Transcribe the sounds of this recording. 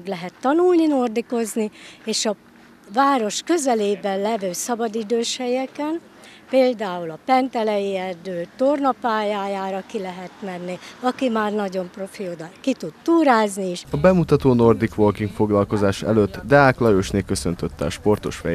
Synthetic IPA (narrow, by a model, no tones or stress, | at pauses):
ɡlɛɦɛt̪ːɒnulnino̞rd̪iko̞znieːʃɒ | vaːɾo̞ʃkø̞zɛleːbɛlɛvøːsɒbɒd̪id̪øːʃhɛjɛkɛn | peːld̪aːulɒpɛnt̪ɛlɛjiɛrd̪øːt̪o̞rnɒpaːjaːjaːɾɒkilɛɦɛt̪mɛnːiɒkimaːrnɒɟo̞mpro̞fiod̪ɒkit̪ut̪t̪uːɾaːzniiʃɒbɛmut̪ɒt̪oːno̞rd̪ikʋolkiŋkfo̞ɡlɒlko̞zaːʃɛ̰løt̪ːd̪ɛaːklɒjøːʃneːkø̞sø̞nt̪øt̪ːɛ̰ɒ̰ʃpo̞rt̪o̞̰ʃfɛ̰j